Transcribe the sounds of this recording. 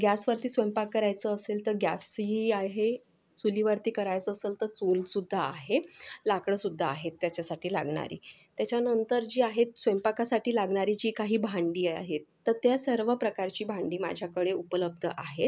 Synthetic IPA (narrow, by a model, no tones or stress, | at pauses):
ɡʲjasʋəɾt̪iːsʋempakːəɾajt͡səːselt̪əɾɡja̰siaɦe | t͡suliʋəɾt̪iːkəɾajt͡səːsəlt̪əɾt͡sulsud̪ʱːaːɦelakɽəsud̪ʱːaːɦet̪ːjat͡ɕasaʈiːla̰ɡɳ̃a̰ɾḭːt̪jat͡ɕjanənt̪əɾd͡ʑiːaɦet̪̚sʋempakasaʈʰiːlaɡɳaɾit͡ɕiːkaɦiːbʱaɳɖiːa̰ɦet̪ːəɾt̪jasəɾʋəpɾəkaɾt͡ɕiːbʱãɳɖiːma̰d͡ʑʱjakəɽeupələb̚d̪ʱəʔaɦet̪